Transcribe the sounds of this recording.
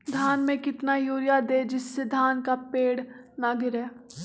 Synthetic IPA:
d̪ʱaːnmẽkɪt̪najuːɾjad̪eːd͡ʒɪsːed̪ʱaːnkapeːɽ | naːɡɪɾɦɛː

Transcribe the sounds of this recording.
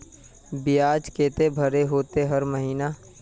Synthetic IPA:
bɪjaːd͡ʒkeːt̪ebʱɐɾeɦoːt̪eɦɐɾməɦiːnaː

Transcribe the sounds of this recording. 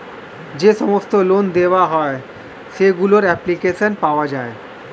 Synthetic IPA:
d͡ʑeʃɔmost̪olond̪eʋaɦɔe | ʃeɡuloɾɛplikeʃənpaoad͡ʑae

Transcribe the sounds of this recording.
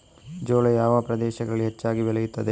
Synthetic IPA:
d͡ʒoːlɐjaːʋɐpɾɐd̪ɛːʃɐɡɐɭiɦet͡ʃːaːɡibɛlɐjut̪ːɐd̪e

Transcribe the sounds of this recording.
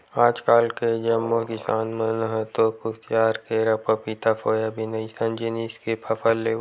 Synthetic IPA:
aːd͡ʒkaːlked͡ʒɐmːokɪsaːnmənɦət̪okʊst̪jaːɾkeɾɐpəpit̪afʰoːjabʱinɐisɐnd͡ʒiniskepʰɐfəlːeː

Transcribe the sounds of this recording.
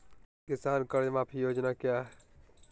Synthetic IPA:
kɪsaːnkəɾmãːpʰijoːd͡ʒnaːkɪjaɦ

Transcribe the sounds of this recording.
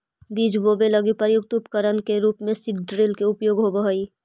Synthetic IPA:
biːd͡ʒboːbelɐɡipəɾjʊkt̪ʊpkəɾənkeɾuːpmẽsɪʈɖɾeːlkeʊpjoːɡɦobəɦoiː

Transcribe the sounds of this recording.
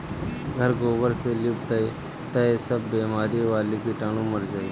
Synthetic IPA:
ɡʱəɾɡoːʋəɾselibt̪aj | t̪ɐesəbːeːmaːɾiʋaːlikiʈaːɽ̃ũməɾd͡ʒaːi

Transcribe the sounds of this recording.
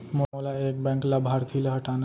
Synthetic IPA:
moolaeːk̚bɛ̃ːŋklabʱɦaːɾt̪ʰileɦɐʈaːna

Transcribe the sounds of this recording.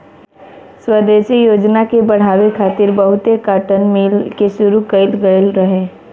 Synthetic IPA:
swəd̪eːʃijoːd͡ʒnakebɐɽ̤aːʋekʰaːt̪ɪɾbɐɦʊt̪ekaːʈənmiːlkeʃʊɾukəɪlɡəlɾɐɦeː

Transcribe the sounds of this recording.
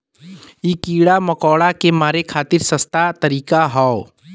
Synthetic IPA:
ikiːɽamɐkɔːɽakemaːɾekʰaːt̪ɪɾsɐst̪ʰat̪ɐɾiːkaɦɔo

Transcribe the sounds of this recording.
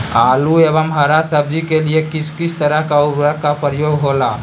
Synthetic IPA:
aluebəmɦəɾasəb̚d͡ʒikeliekɪskisʰt̪əɾəɦkauɾəkːapəɾjoːɡɦola

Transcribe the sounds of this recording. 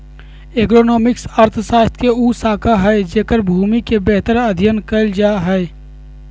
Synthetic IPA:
eːkɾoːnoːmɪksəɾt̪ʰsaːst̪ʰkeuːsaːkʰaɦɛːd͡ʒeːkəɾbʱuːmikebɛɦt̪əɾɐd̪ʱjənkəld͡ʒaːɦɛː

